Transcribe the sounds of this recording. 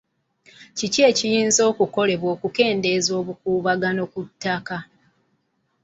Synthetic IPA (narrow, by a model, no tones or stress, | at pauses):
cice̞ːcijiːnzo̞ːkuko̞le̞βwo̞ːkuke̞ːnde̞zo̞ːβukuːβaɡano̞kutːaka